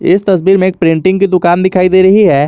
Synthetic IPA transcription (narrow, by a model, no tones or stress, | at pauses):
ɪst̪ɐs̬biːɾmẽeːk̚pɾɪ̃ɳʈɪ̃ŋɡkid̪ʊkaːnd̪ɪkʰaːid̪eːɾɐɦiɦɛː